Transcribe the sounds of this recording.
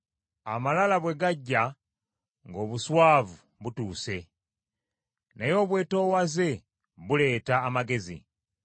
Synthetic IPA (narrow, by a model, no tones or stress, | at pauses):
a̰malalaβwe̞ɡaɟːa | ŋɡo̞ːβuswaːvu | βutuːse̞ | najo̞ːβwe̞ːto̞ːwaze̞ | βule̞ːtaːmaɡe̞zḭ